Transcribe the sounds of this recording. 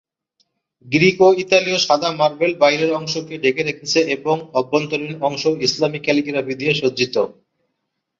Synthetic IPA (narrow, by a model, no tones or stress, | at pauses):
ɡɾikoit̪alioʃad̪ʱamaɾbelbajɾeɾɔŋʃokeɖekeɾekʰet͡ɕʰeeboŋɔbːont̪olinɔŋʃoislamikɛlikiɾabid̪ʱieʃod͡ʑit̪o